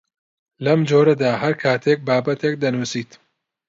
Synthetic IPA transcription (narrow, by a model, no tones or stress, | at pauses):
lɐmd͡ʒoːɾɐd̪aːhɐɾkʰaːt̪ʰek̚baːbɐt̪ʰek̚d̪ɐnuːsiːt̪